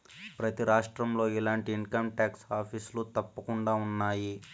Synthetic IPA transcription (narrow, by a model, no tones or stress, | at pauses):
pɾɐt̪iɾaːʂʈɾɐmlo̞ːilaːɳʈiːŋkɐmʈjaːksaːpʰislut̪ɐpːɐkuɳɖaːunːaːji